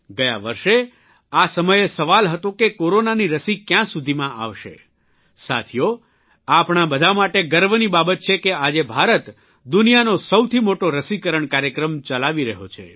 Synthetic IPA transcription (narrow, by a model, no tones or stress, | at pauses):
ɡəja̰ʋəɾʃe | asəməjesəʋalɦət̪okekoɾonaniɾəsikjãsud̪ʱimãʔa̰ʋʃḛ | sa̰t̪ʰijo | apɳ̃abəd̪ʱamaʈeɡəɾʋnibabət̪̚t͡ʃʰekead͡ʒebʱaɾət̪ | d̪unijanosəwt̪ʰimoʈoɾəsikəɾəɳkaɾjəkɾəmt͡ʃəlaʋiɾəɦo̰t͡ʃʰḛ